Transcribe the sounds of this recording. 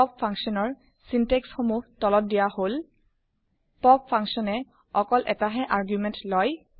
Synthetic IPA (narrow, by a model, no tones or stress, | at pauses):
pɔpfʰaŋksiɔnɔɹ | sinteksxomuhtɔlɔt̚dijahol | pɔp̚fʰaŋksɔnɛ | ɔkɔlʔɛtaɦɛʔaɹɡjumɛntlɔj